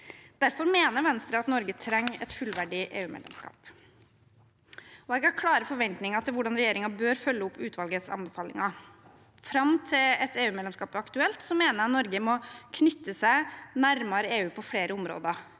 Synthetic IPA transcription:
d̪̥æɾfɔɾmeːnəɾʋɛnst̪ɾəɑt̪nɔɾɡət̪ʰɾɛŋːɛ̰t̪fʉlʋæɖɪʔḛːʉːmḛd̪ɛ̰mskɑ̰ːp | ɔɛɡækʰlɑːɾəfɔɾʋɛnt̪nɪŋɑt̪ʰɪlʋʊɖɑnɾɛjeːɾɪŋɑbøːɾfœlːəʊpʰːʉːt̪ʰʋɑlɡət̪sɑ̰nbɛfɑːlɪ̰ŋɑ | fɾɑmt̪ʰɪlɛt̪eːʉːmɛdlɛmskɑːpɑkt̪ʉɛlt̪sɔmeːnəɾɑt̪nɔɾɡəmɔkʰnʏt̪ːəsæɪnæɾmɑɾəeːʉːpʰɔfɽeːɾəʊmɾo̰ːd̪ə

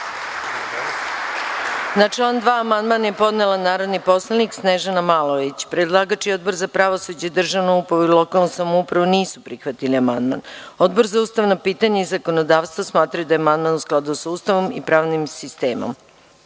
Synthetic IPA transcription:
nat͡ʂlˠand̪ʋaːmand̪manajepo̞d̪nelˠanaːɾo̞d̪nipo̞slˠaniksneʒanamalˠo̞ʋit͡ɕpɾed̪lˠaːɡat͡ʃio̞d̪̚bo̞ɾzapɾaʋo̞sud͡ʑeid̪r̩ʒaʋnoupɾaʋuilˠo̞kalˠnosamoupɾaʋoniːsupɾixʋat̪iliamand̪ma̰no̞d̪bo̞ɾzauːst̪aʋnapiːt̪aɲeizako̞nod̪aːʋst̪vʋosmaːt̪ɾajud̪ajeamand̪manusklˠad̪usauːst̪aʋo̞mipɾaːʋnimsist̪ḛːmo̰m

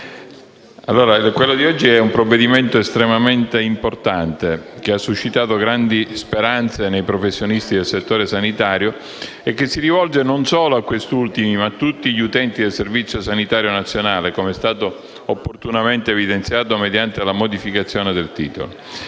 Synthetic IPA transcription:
alːoːɾakwelːod̪iɔd͡ʒːiɛumpɾovːed̪iment̪oest̪ɾemament̪eimport̪ant̪ek̟easːuʃːit̪aːt̪oɡɾand̪ispeɾant̪senejpɾofesːjonist̪id̪elset̪ːoːɾesanit̪aːɾjo | ekːesːiɾivɔld͡ʒenonsoːloakːwest̪ult̪imimat̪ːut̪ːiʎiut̪ɛnt̪id̪elservit̪sjosanit̪aːɾjonat̪sːjonaːlekomeɛst̪aːt̪o | opːort̪unament̪eːvid̪ent̪sjaːt̪omed̪jant̪elamod̪ifikat̪sːjoːned̪elt̪ḭːt̪o̰lo

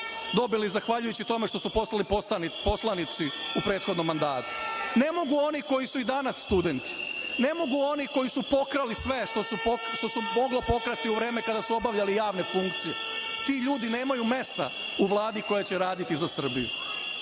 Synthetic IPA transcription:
d̪o̞bilizaxʋaʎujut͡ɕit̪o̞me̞ʃt̪o̞supo̞salipo̞slˠanit̪siupɾeːt̪xo̞d̪no̞mːand̪aːt̪u̥ne̞mo̞ɡuo̞niko̞jisuid̪anasːt̪ud̪e̞nt̪i̥ne̞mo̞ɡuo̞niko̞jisupo̞kɾalisʋe̞ʃt̪osuʃt̪o̞sumo̞ɡlopo̞kɾat̪iuʋɾe̞ːmekad̪asuo̞baʋʎalijaːʋne̞fuŋkt̪sijḛ | t̪iʎuːd̪ine̞ːmajume̞st̪a̰ | uʋlˠaːd̪iko̞jat͡ɕeɾaːd̪it̪izasr̩bḭjṵ

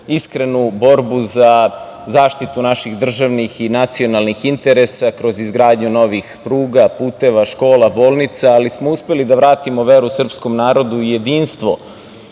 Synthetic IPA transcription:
iskɾe̞nubo̞ɾbuza | zaːʃt̪it̪unaʃiɣd̪r̩ʒaʋnixinat̪sio̞nalnixint̪e̞ɾe̞sakɾo̞zizɡɾaːd̪ɲuno̞ʋixpɾuːɡapuːt̪e̞ʋaʃko̞ːlabo̞ːlˠnit̪saːlismouspe̞lid̪aʋɾaːt̪imoʋeɾusr̩psko̞mnaːɾo̞d̪uije̞d̪iːnst̪ʋo̞

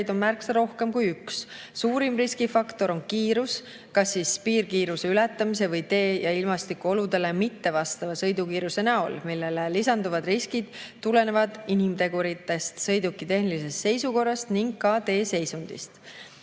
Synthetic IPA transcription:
jd̪o̞nmærksɑɾo̞hke̞mkujyks | suːɾimriskifɑkt̪o̞ɾo̞nkiːɾus | kɑsːispiːrkiːɾuse̞ylɛt̪ːˑɑmis̬e̞vɤjt̪e̞ːjɑilmɑst̪ikuo̞lud̪e̞le̞mit̪ːe̞vɑst̪ɑvɑsɤjd̪ukiːɾuse̞næo̞̰lmilːe̞lelisɑnd̪uvɑd̪riskid̪̥t̪ːule̞ne̞vɑd̪̥inimt̪e̞ɡ̥uɾit̪ːˑe̞st̪sɤjd̪ukːˑit̪e̞hnilise̞st̪se̞jsuko̞rːɑst̪niŋɡkɑt̪e̞ːse̞jsund̪̥ḭst̪

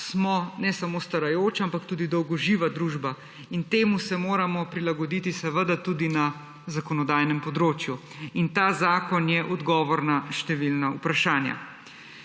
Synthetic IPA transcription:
smɔnɛsamoːst̪aɾajoːt͡ʃampakt̪uːd̪id̪ɔwɡɔʒiːʋad̪ɾuːʒba | int̪eːmusɛmoːɾamɔpɾilaɡɔd̪iːt̪isɛʋəd̪at̪uːd̪ina | zakɔnɔd̪aːjnɛmpɔd̪ɾoːt͡ʃju | int̪aːzaːkɔnjɛʔɔd̪ɡɔːʋɔɾnaʃt̪ɛʋilnaupɾaʃaːnja̰

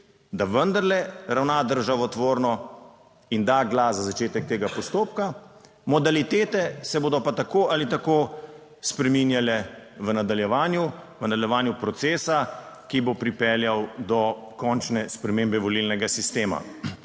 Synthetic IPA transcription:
d̪aʋənd̪aɾlɛɾawnad̪əɾʒaʋɔt̪ʋoːɾnɔ | ind̪aɡlazazat͡ʃeːt̪ɛk̚t̪eːɡapɔst̪oːpka | mɔd̪alit̪eːt̪ɛsɛboːd̪ɔpat̪akoalit̪akoː | spɾɛminjalɛʋənad̪aljɛʋaːnjuʋənad̪ɐljɛʋaːnjupɾɔt̪seːsa | kibopɾipɛljawd̪ɔkɔnt͡ʃnɛspɾɛmembɛʋɔlilnɛɡasist̪eːma̰

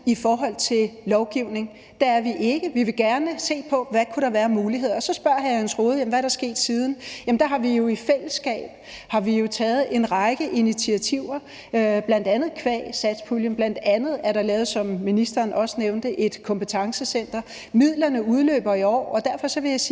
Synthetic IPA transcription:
ifɒːɦɒ̽l̰t͡sʰe̝llɒʊɡ̥iʊ̰ne̝ŋ | d̥ɑ̈æɐʋiʔe̝ɡ̥əʋiʋe̝ɡ̥æɐnəse̝̰ːpʰɒ̽ʋækʰuɾɑ̈ʋæːɐmuːliɦe̝ð̞̰ˠɒsɒ̽sb̥ɶɐ̰ɦæhænsʰʁo̝ːð̞̩ˠjæm̩ʋæɐɾ̥ɑ̈sɡ̥e̝̰ːd̥siːð̞ˠn̩jæmn̩d̥ɑ̈ɦɑ̈ʋijo̝ifel̰əsɡ̥ɛ̰ːb̥ | hɑ̈ʋijo̝t͡sʰɛːð̞̩ˠe̝nʁɑ̈ɪɡ̥əʔinit͡sʰiæt͡sʰiʊ̰ɐ | b̥læn̰d̥ænð̞̩ˠkʰʋɛ̰ːsæd̥spʰuljəmb̥læn̰d̥ænð̞̩ˠæɐɾ̥ɑ̈lɛːʊsɒ̽mːinisd̥ɐːnʔɒ̽səneʊnd̥əʔe̝d̥kʰɒ̽mpʰət͡sʰɑ̈ŋsəsen̰d̥ɐ | mið̞̰ˠlɐnəuð̞ˠlø̰ːb̥ɐiɒ̰ːɒ̽d̥æɐfɒ̽sɒ̽ʋe̝jɑɪsiː

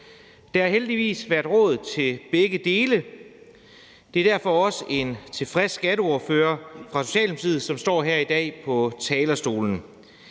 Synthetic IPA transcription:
d̥ɑ̈æɐɦeld̥iʋḭːsʋæɐd̥ʁɔ̽ːð̞̩ˠt͡sʰe̝lb̥eɡ̥əd̥e̝ːlə | d̥e̝æɐd̥æɐ̰fɒ̽ɒ̽səʔe̝nt͡sʰe̝fʁɛsːɡ̥æɾəoːføːɐfʁɑ̈so̝̥ɕɛ̰ːlm̩sið̞ˠsɒ̽msd̥ɒ̰ːɦeɐ̰id̥ɛ̰ːpʰɒ̽t͡sʰɛːlɐsd̥o̝̰ːln̩

